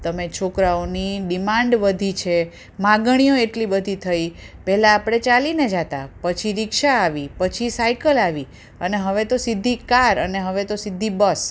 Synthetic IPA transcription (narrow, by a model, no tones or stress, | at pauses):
t̪əmet͡ʃʰokɾaoniɖimãɳɖʋəd̪ʱit͡ʃʰe | mãɡɽ̃ijoeʈlibəd̪ʱit̪ʰəipɛɦlaːpɽ̃et͡ʃalined͡ʒat̪apət͡ʃʰiɾɪkʃaːʋipət͡ʃʰisaikəlaʋi | əneɦəʋet̪osid̪ʱikaɾəneɦəʋet̪osid̪ʱːibəs